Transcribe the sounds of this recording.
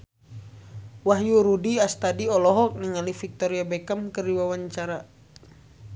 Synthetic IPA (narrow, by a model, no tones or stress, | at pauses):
waɦjuɾudiast̪adiɔlɔɦɔk̚niŋalifik̚t̪ɔɾiabɛkamkɨriwawaɲt͡ʃaɾa